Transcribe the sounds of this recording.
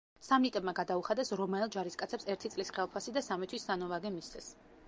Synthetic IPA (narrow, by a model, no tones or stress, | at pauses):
samnit̪ʼɛbmaɡad̪auχad̪ɛsɾɔmaɛlˠd͡ʒaɾiskʼat̪sʰɛpsɛɾt̪ʰit̪sʼlisχɛlˠpʰasid̪asamit̪ʰwisːanɔvaɡɛmist̪sʰɛs